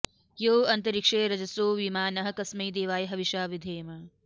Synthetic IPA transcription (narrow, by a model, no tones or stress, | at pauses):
joːɐnt̪ɐɾikʂeːɾɐd͡ʒɐsoːʋimaːnɐɦɐ̆kɐsmɐjd̪eːʋaːjɐɦɐʋiʃaːʋid̪ʱeːmɐ